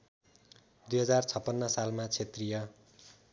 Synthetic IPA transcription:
d̪ujɦʌd͡zart͡sʰʌpːʌnːʌsalmat͡sʰet̪rijʌ

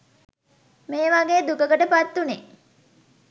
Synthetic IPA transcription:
meːʋaɡeːd̪ukəkəʈəpat̪ːune

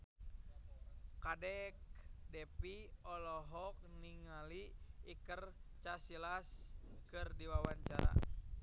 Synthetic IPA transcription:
kadɛk̚dɛpiɔlɔɦɔk̚niŋaliːkərt͡ʃasilaskɨrdiwawaɲt͡ʃaɾa̰

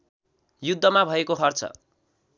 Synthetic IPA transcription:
jud̪ʱːʌmabʱʌekoɦʌrt͡sʰʌ̰

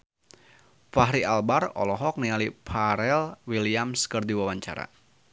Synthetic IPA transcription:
faɦɾialbarɔ̰lɔɦɔk̚nialipʰaɾɛlwiliamskərdiwawaɲt͡ʃa̰ɾa̰

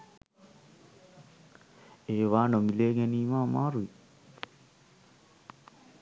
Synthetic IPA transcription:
ewanomileŋenimamaɾui

